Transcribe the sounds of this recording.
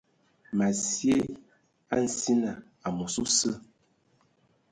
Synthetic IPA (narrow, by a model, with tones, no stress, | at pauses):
ma˨sje˦ | a̰˦n̩˨si˦na˨ | a˨mu˨su˦sə˦